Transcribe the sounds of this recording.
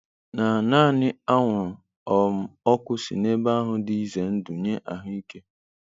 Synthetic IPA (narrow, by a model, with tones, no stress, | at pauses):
na˨naː˦˨nɪ˦a˦ŋʷʊ˨ɾʊ˨ | ɔ˨m̩˨ɔ˦kʷʊ˦sḭ˨ne˦ba˦a˦ɦʊ˨dɪ˦i˦ze˨n̩˦du˨ɲe˦ʔa˨ɦʊ˦i˦ke˦